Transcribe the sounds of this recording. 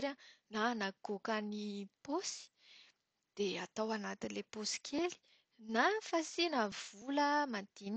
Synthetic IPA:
ɾananakokaniposi̥ | d̪̥eat̪awanat̪inleposi̥kʲʰeli̥ | nafasinav̥uləmand̪̥in

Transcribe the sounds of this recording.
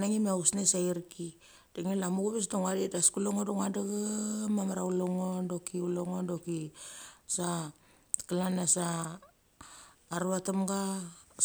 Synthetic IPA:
naŋimeausnesaiɾki | d̥eŋelamuɡuβes̬doŋadidaskuloŋodoŋadaɡamamaɾauloŋondo̞kiuloŋondoki | sa | kalanasa | ɾuatamɡa

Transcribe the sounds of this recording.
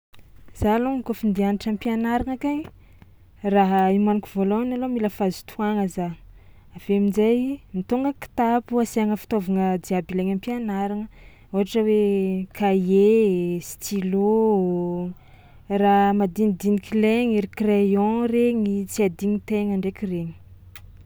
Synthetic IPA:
z̥aloŋkofind̪ianiʈ͡ʂampianaɾaŋakaɲ | raɦaimanikʲivolonalomiləfazu̥t̪ʰuaŋəza | aveminzajmit̪oŋɡəki̥t̪apuasiaŋəfi̥t̪ovaŋəd̪iabileŋampianaɾaŋə | uɦaʈ͡ʂəwekʰajest̪ʰilo | ramad̪ind̪inikileŋiɾikrejɔ̃reɲit͡siad̪iŋit̪eŋaɳɖ͡ʐekireɲi̥

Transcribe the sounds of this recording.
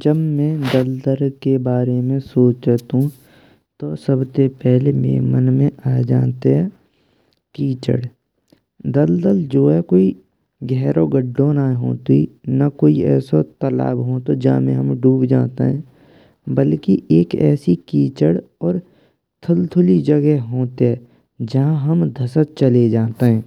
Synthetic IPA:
d͡ʒəbmɛ̃ːd̪əld̪əlkebaːɾemẽsoːt͡ʃt̪ɦũ | t̪osəbsepɛɦlemḛːmənmẽaːd͡ʒaːt̪eɦɛ̃ | kiːt͡ʃə̰ɽ | d̪əld̪əld͡ʒoːɦɛkoːi | ɡʱɛɦɾoɡəɖːõnaːɦoːt̪inɐkoːiɛːsot̪əla̰ːbɦoːt̪od͡ʒɐã̰mḛ̃ɦəmɖuːbd͡ʒaːt̪ḛɦɛ̃ː | bəlkiʔeːkɛ̰ːsikiːt͡ʃəɽɔːɾ | t̪ʰʊlt̪ʰʊlid͡ʒɐɡɛɦɦoːt̪eɦɛ | d͡ʒɐɦãɦəmd̪ʱəsət̪̚t͡ʃəled͡ʒaːt̪eɦɛ̃ː

